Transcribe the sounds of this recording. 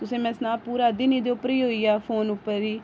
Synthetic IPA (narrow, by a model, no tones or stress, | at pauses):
t̪ʊsẽːmɛ̃ːsnaːpuːɾaːd̪ɪniːd̪eopəɾiːɦoːiːaːpʰoːnʊpːəɾiː